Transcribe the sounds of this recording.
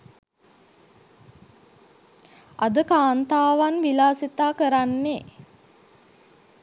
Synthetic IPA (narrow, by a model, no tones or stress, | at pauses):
a̰d̪əkaːnt̪aːʋanʋilaːsit̪aːkəɾanːe